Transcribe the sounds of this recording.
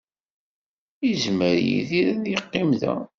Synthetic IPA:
jəzməɾjḭðiɾæðjəqːimðæ̰

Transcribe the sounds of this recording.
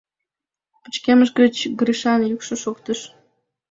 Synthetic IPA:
pə̥̆t͡ɕkeməʃɡə̆t͡ɕɡɾiʃɑnjukʃə̆ʃokt̪ə̆ʃ

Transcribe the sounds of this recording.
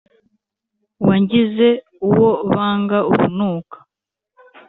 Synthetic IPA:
waɲɟize̞ | uwo̞βaːŋɡauβunuːkḁ

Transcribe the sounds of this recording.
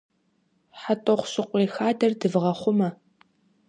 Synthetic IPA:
ħatʼɔχʷɕɪqʷiːxaːdɐrdɨvʁɐχʷʊmɐ

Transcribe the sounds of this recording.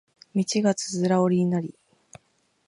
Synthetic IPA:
mʲit͡ɕiɡat͡sɨ̥zɨɾaoɾʲiɲinaɾʲi

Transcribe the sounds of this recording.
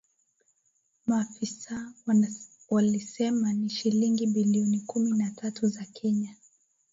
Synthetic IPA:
maːfisaw | walisɛmaniʃiliŋɡibiliɔnikuminatʰatuzakʰɛɲa

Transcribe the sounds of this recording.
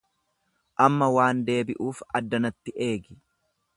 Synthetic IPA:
ʔɐmːɐwaːnd̪e̞ːbɪʔuːfɐd̪ːɐnɐt̪ːɪʔe̞ːɡɪ

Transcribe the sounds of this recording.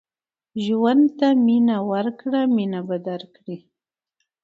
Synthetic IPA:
ʒwand̪t̪aminawaɾkɽaminabad̪aɾkɽi

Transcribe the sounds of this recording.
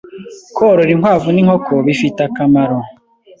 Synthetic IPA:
kʰoːɾoɾiŋwaːvuniŋhokʰoβifitakamaɾo

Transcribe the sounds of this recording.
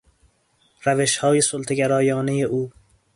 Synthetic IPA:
ɾæveʃhɒːjesolt̪ʰeɡæɾɒːjɒːnejeʔuː

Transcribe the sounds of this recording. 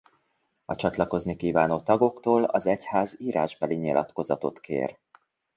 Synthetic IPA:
ɒt͡ʃɒt̪lɒko̞znikiːvaːnoːt̪ɒɡo̞kt̪oːlɒzɛchaːziːɾʔaːʒbɛliɲilʔɒ̰t̪ko̞zɒt̪o̞t̪kʰḛːr

